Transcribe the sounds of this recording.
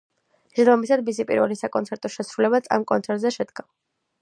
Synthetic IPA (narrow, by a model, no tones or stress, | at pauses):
d̪ɔmisad̪̚misipʼḭɾvɛ̰lisakʼɔnt̪sɛɾt̪ʼɔʃɛsɾulɛbat̪sʰa̰mkʼɔntsʰɛɾt̪ʼzɛʃɛd̪ɡa